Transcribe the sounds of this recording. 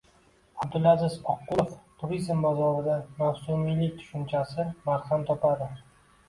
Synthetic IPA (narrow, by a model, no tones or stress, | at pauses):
ab̚d̪ɪlazɪzɒqːʊoft̪ʰʊɾizmbazɒɾɪd̪amawsumilɪt̪ʰʊ̥ʃʊnt͡ʃʰasɪmaɾhamt̪ʰɒpad̪ɪ